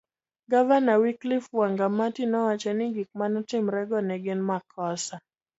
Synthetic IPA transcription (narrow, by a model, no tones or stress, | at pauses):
ɡavanawiklifwaŋɡamatinɔwat͡ʃaniɡik̚manatim̩ɾɛɡɔnɛɡɪnmakʰɔsa